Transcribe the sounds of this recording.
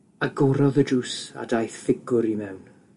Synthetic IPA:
aɡɔɾɔðəd͡ʒuːsa̰dajθfɪɡʊɾimɛwn

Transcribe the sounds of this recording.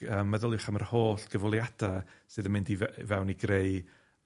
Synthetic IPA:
əːmːɛðʊlˠɪχamər̥hoːɬɡ̥əvɔlˠjad̥asɨːðəmɪndivvɛwniɡreɨ

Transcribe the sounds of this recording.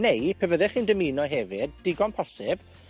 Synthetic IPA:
nejpʰəvəðɛχiːndəmiːnɔɦɛvɨd̚ːɪɡɔnpʰɔsɪb̥

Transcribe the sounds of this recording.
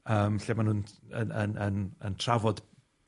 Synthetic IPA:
əːmɬeːmanhʊnənənənəntʰravɔd

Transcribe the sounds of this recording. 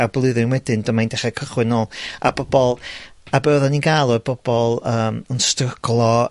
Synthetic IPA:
ablˠɨðɨnwɛdɨndɔmajndɛχɛkʰəχwɨnoːlˠa̰bɔbɔlˠabəðɔninɡalˠɔbɔbɔlˠəːmənstrəɡlˠɔ

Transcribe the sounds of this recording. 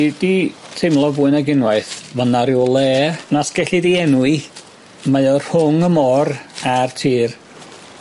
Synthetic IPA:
ditʰejmlˠɔvʊːɨnaɡɪnwaɨθvənaɾjwlˠɛːnasɡ̥ɛɬidiɛnwɨ | majɔrhʊŋəmɔrartʰiːr

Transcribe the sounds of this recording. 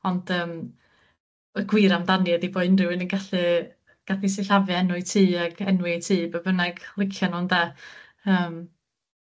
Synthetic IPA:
ɔnd̥əːm | əɡwɪɾamdanjɛdiboːɨnrɪwɪnənɡaɬɨ | ɡ̥atisɪɬavjɛnʊɨtʰiːaɡɛnwɪtʰiːbəvənaɡ̥lˠɪkʰjanɔnda | əːm

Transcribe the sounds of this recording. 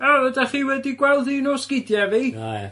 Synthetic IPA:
avədaχiːwɛdiɡwɛlˠdiːnɔːskɪdjɛviː

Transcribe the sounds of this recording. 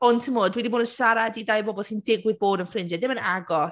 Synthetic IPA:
ɔntʰəmoːdwɛdiboːdənʃaɾadidajbɔbɔlˠsindɪɡwɪðboːdənfrɪnd͡ʒɛdɪmənaɡɔ

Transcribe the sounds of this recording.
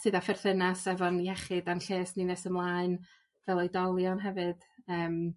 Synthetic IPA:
tʰɨːðafɛrθənasɛvɔnihɛχɨdanɬeːsninesəmlˠaːɨn | vɛlˠɔjdɔlˠjɔnɦɛvɨd̥əːm

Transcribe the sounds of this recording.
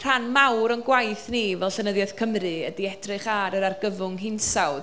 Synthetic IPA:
r̥anmawɾɔnɡwajθnivɛlˠɬənəðjað̥kʰəmrɨədiɛdrɨχaɾəɾarɡəvʊŋɦɪnsaw

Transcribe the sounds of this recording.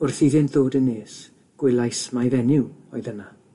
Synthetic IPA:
ʊrθiðɪntð̥oːdənːeːs | ɡ̥wɪlˠajsmajvɛnɪwɔɨðəna

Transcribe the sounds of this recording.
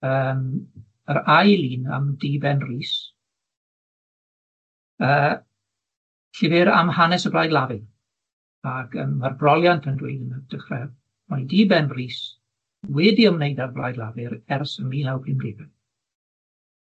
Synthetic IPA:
əːm | əɾajlˠiːna̰mdiːbɛnriːs | əː | ɬɪvɪɾa̰mhanɛsəblajdˡlˠavɪn | aɡə̰marbrɔlˠjanpʰəndwḛjdənəd̥əχrɛv | madiːbɛnriːs | wɛdiəmnejdarbla̰jdlˠavɨɾɛrsəmiːnawpʰrɪmdeːbɛn

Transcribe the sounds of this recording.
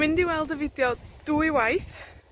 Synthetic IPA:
mɪ̃ndiwɛlˠdəvɪdjɔd̥uiwajθ

